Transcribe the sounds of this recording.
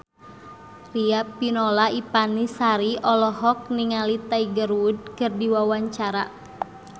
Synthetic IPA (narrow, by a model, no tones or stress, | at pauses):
riapinɔlaipanisaɾiʔɔlɔhɦɔk̚niŋalit̪aiɡəɾwud̚kɨrdiwawaɲt͡ʃaɾa̰